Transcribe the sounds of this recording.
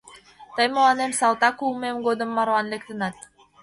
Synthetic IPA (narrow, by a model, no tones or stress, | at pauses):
t̪əjmolɑnemsɑlt̪ɑkulmemɡod̪ə̆mːɑɾɑnlek̚t̪ə̆nɑt̪̚